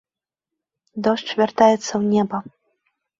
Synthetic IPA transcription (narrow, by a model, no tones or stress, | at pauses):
d̪ɔʂt͡ʂvʲart̪ajɛt̪sːɐwnʲɛbɐ